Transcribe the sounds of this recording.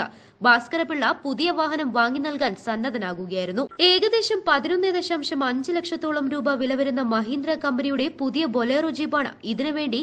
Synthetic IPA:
ɐ̰ | baːskɐɾɐpːiɭːɐpuðijɐʋaːɦɐnɐmʋaːŋːinɐlkaːnsɐnːɐðɐnaːɣuɣɐjaːjiɾunːue̞ːɣɐd̪e̞ːɕɐmpɐðinonːeðeɕɐmʂɐmɐɲd͡ʑɨlekʂɐt̪ːoːɭɐmɾuːbɐʋilɐʋɐɾunːɐmɐɦiːnd̪ɾɐkɐmbɐnijuɽe̞puðijɐbo̞leːrod͡ʑiːbaːɳɨ̰iðinɨʋe̞ːɳɖi

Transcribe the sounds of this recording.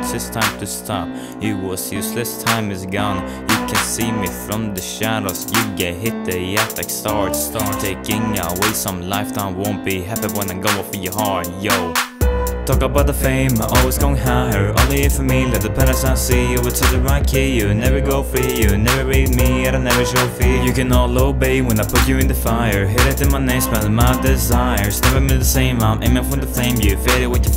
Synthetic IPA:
ðɪstʰãɪ̃mtʰɨstʰɑp̚ | jɨwʌz̥jʉslɨstʰãɪ̃mɨzɡɔ̃n | jɨkʰɨ̃nsimifɹʌ̃mðɨʃæɾoʊsjɨɡɛɦɪt̪̚ðɨjɛtaɪkstɑdstɑtʰeɪkɪ̃ŋaɪweɪsʌ̃mlaɪftʰãɪ̃mwõʊ̃nb̥iɦæpiwɛ̃nɨ̃nɡoʊɔfəjəɦɑɹjoʊ | tʰɔkəbaʊt̪̚ðəfẽɪ̃mʔɔlˠwizɡoʊɪ̃ŋɦaə˞õ̰ʊ̃nliɨfə˞milɛt̪̚ðəpʰɛɾɨsãɪsijɨwɨtʰɨðɨɹaɪt̚kʰijɨnɛvə˞ɡoʊfijɨnɛvə˞ɹid̚miɨɾɨnɛvə˞ʃoʊfijɨkɨ̃nɔloʊbiwə̃naɪpʰʊt͡ʃɨɨ̃ntɨfaɪə˞ɦɪɾɨɾɨ̃nmaɪnɛɪsbãðmadɪzaɪə˞znɛvə˞mɨ̃ðəsẽɪ̃mãɪ̃mʔɛ̃mʌfwɨ̃nðəθẽɪ̃mjɨfeɾɨt̚wɨt͡ʃə

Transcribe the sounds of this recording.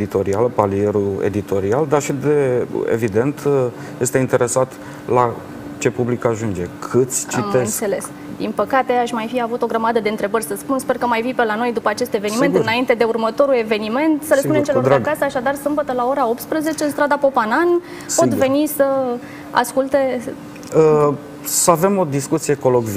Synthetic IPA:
d̪it̪o̞ɾialpalie̞ɾuḛd̪it̪o̞ɾiald̪aʃid̪eḛvid̪e̞nt̪ | je̞st̪e̞int̪e̞ɾe̞sat̪ | la | t͡ʃe̞publikaaʒund͡ʒe̞kʰɨt̪sʲt͡ʃit̪eɨnsse̞le̞s | d̪inpəkat̪e̞aʃmajfiavut̪o̞ɡɾəmad̪əd̪eɨnt̪ɾe̞bərʲsəspunspe̞rkəmajvipelano̞jd̪upəat͡ʃe̞st̪eve̞nime̞nt̪ɨnaint̪e̞d̪e̞urmət̪o̞ɾule̞ve̞nime̞nt̪səlespunemt͡ʃeloɾakasəaʃad̪arsɨmbət̪əlao̞ɾao̞p̚t̪spɾəze̞t͡ʃeɨnst̪ɾad̪apo̞panan | po̞t̪ve̞nisə | a̰skult̪e̞ | ə | səave̞mo̞d̪iskut̪sijeko̞loɡv

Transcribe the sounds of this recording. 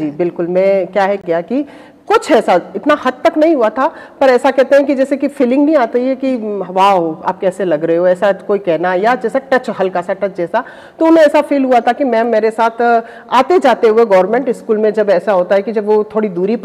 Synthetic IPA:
d͡ʒiːbɪlkʊlmɛ̃ːkjaːɦɛɡɪjaki | kʊt͡ʃʰɛːsaɪt̪nahɐd̪̚t̪ɐknɐɦĩɦuat̪ʰapɐɾɛːsakɛɦt̪eɦɛ̃k̬id͡ʒɛːsekifɪlɪ̃ŋɡnɐɦĩaːt̪aɦiɦɛkiɦɐʋaɦoa̰ːp̚kɛːselɐɡɾɐɦeɦoɛːsakoːikɛɦnajad͡ʒɛːsaʈɐt͡ʃɦɐlkasaʈɐt͡ʃd͡ʒɛːsa | t̪oʊnɦẽɛːsafiːlɦuat̪ʰakimɛ̃ːmeːɾesaːt̪ʰ | aːt̪ed͡ʒaːt̪eɦueɡɔːɾmɛ̃ːɳʈɪskuːlmẽd͡ʒɐbɛːsaɦoːt̪aɦɛkid͡ʒɐbʋot̪ʰoːɽid̪uːɾip

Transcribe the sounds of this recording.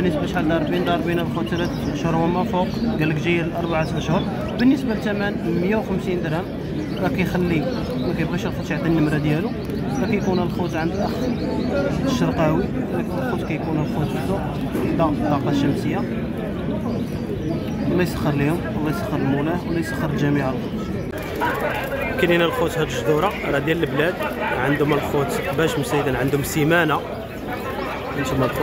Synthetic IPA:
bənːəsbæʃħald̪ɑɾˤbind̪ˤɑɾˤbinælxut̪ɾ | ʃhʊɾwæmæfuqɡælːəkʒijæləlʔɑɾˤbaʕat̪ʔəʃhʊɾˤ | bənːəsbalt̪æmænməjːawxəmsind̪ɾæm | ɾˤɑkæjxælːi | mækæjəbɣiʃəlxɑt̪ʃʕat̪nːəmɾæd̪jælu | ɾˤɑkæjkunhælxut̪ʕand̪ulʔæx | t̪ːə̥ʃəɾˤqɑwiklxut̪kæjkunhælxut̪fd̪uʔ | d̪ɑft̪ˤːɑqɑʃːəmsəjːa | wəlːæjsəxːəɾˤlihʊmwəlːæjsəxːəɾəlmulæwlːæjsə̥xːəɾəlʒæmiʕəlxut̪ | kəninælxut̪hæt̪əʒd̪uɾˤɑɾˤɑd̪jæləlblæd̪ʕənd̪ʊməlxut̪bæʃmusæjd̪ənʕənd̪ʊmsimæna | ʕənt̪ʊmælx

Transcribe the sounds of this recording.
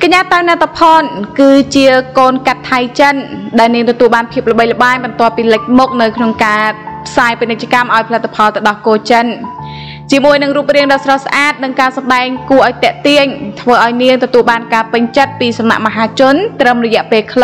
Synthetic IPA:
kaɲaːt̪awnɛt̪ʰːapʰɑːnkɨːt͡ɕiəkoːnkat̪ʰːajt͡ɕənɗaɛlniəŋt̪ɔt̪uəlɓaːnpʰiəp̚lə̆ɓəjlə̆ɓaːɲɓɑnt̪ŏəpːiːlɨc̚mʊk̚nɨwkʰnoŋkaːpʰsaːjpinɨc̚t͡ɕaəkamʔaɔjpʰalɨt̪ːapʰɑlt̪ɨ̆ɗɑhkoːt͡ɕən | t͡ɕiəmuəjnɨŋruːp̚riəŋɗɑːsrɑsaʔaːt̪̚nɨŋkaːsɑmɗaɛŋkuəʔaɔjt̪ɛ̆əʔt̪iəɲt̪ʰʋəːʔaɔjniəŋt̪ɔt̪uəlɓaːnkaːpɨɲt͡ɕət̪̚piːsamna̰ʔmaɦaːt͡ɕʊ̆ənt̪rəmrɔjɛ̆əʔpeːlkʰl

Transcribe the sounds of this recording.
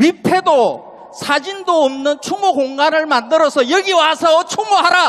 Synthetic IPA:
ɥipʰe̞do | sʰad͡ʑindoːmnɯnt͡ɕʰuŋoɡoŋɡanɯɭmandɯɾʌsʰʌjʌɡiwasʰʌt͡ɕʰuŋoɦaɾa

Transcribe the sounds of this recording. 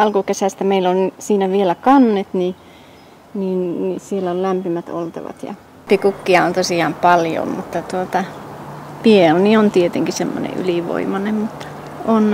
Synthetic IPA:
ɑlkukesæˑst̪æmeilonsiːnæʋielækɑnːet̪ni | ninnisielːæollæmpimæt̪o̰lt̪ɑ̰ʋɑ̰t̪jɑ̰ | pikukːiɑont̪osiˑɑːmpɑljo̰mmut̪ːɑt̪uot̪ɑ | pieloniont̪iet̪eŋkisemːo̰nḛʔy̰liˑʋo̰imɑnemmut̪ːɑ̥ | on

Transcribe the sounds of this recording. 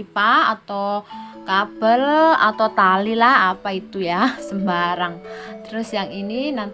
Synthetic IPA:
ipaat̪owkab̥əla̰t̪ot̪alilahapait̪ujasəmbaɾaŋt̪əɾʊsjaŋininan

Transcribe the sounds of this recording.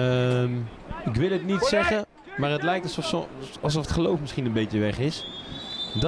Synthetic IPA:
əm | ɪk̬ʋɪlˠətnitsɛχə | maːrɦətlɛjk̚tsɑlˠs̬ɔfətχəlowfmɪsχinənbejtjəʋɛχɪs | d

